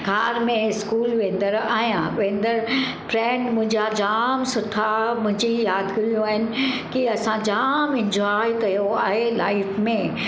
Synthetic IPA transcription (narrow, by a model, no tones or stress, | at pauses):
ɡʱaːɾmẽɪskuːlʋẽːnd̪əɾaːɦijãʋẽːnd̪əɾ | fɾɛ̃ːɳɖmʊ̃ɦɪ̃ɲd͡ʑad͡ʑaːmsʊʈʰamʊ̃ɦɪ̃ɲd͡ʑijaːd̪kɐɾijũaːɦɪnɪ̆kiɐsãd͡ʑaːmɪ̃ɲd͡ʑɔːikɐjoaːɦela̰ːɪfmẽ